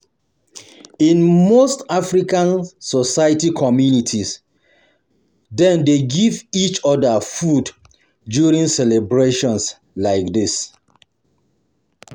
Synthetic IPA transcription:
ĩnmostafɹikãnsɔsajatikʰɔmjunitʰis | dɛ̃ndeɡivit͡ʃɔdafud | djuɹĩŋsɛlɛbɹeʃɔ̃ns | laɪk̚dis

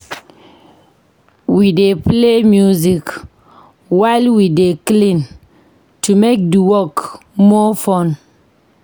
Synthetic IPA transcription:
wideplemjuzik | waɪlwideklĩn | tumek̚diwɔk | mɔfɔn

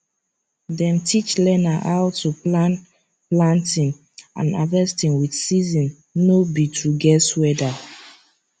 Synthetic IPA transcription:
dɛ̃mtʰit͡ʃlɛnaʔawtʰuplan | plãntĩn | ã̰nadɛstĩnwidsizĩnː | obitʰuɡɛswɛda

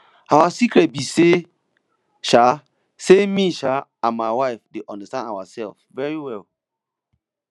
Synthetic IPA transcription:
awasikɹɛt̚bise | ʃa | semiʃaãnmaɪwaɪfdeʔɔ̃ndastãna̰wa̰sɛ̰lfvɛɹiwɛl

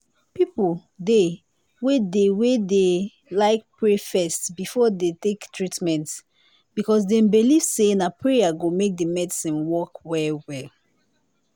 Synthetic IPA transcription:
pipde | wedewede | laɪk̚pʰɹefɛstbifɔdetektʰɹitmɛ̃nt | bikɔs̬dɛ̃mbilivsenapʰɹeaɡomek̚dəmɛdisĩnwɔkwɛlwɛl

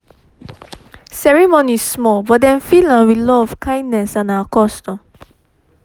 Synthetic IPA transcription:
sɛɹimõnissmɔlbɔdɛ̃nfilãwilɔɔvkʰãj̃nnɛsãnaəkɔstɔ̃m

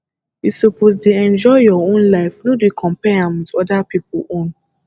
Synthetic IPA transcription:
jisɔpozdeɛ̃nd͡ʒɔjɔõnlaɪfnoduikʰɔ̃mpɛãmitɔdapipṵõn

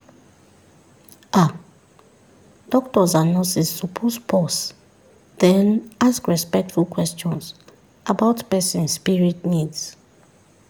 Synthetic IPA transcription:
a | d̥ɔktɔzanɔ̃sisupʰɔspʰɔs | d̥ɛ̃naskɹɛspɛk̚tfulkʰwɛst͡ʃɔ̃ns | ʔabaʊtpɛsĩnːpiɹitnids

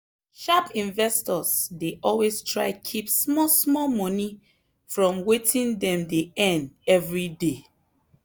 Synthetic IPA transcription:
ʃapĩnvɛstɔsdeʔɔlwestʰɹaɪkʰipsmɔsmɔmɔ̃ni | fɹɔ̃mwetĩndɛ̃mdeɛ̃ndɛvɹide

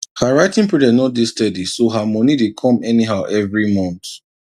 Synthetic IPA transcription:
haɹaɪtĩŋpɹidɛnɔt̚distɛdisoɦamɔnidekʰɔ̃mɛniɦaʊʔɛvɹimɔ̃nt

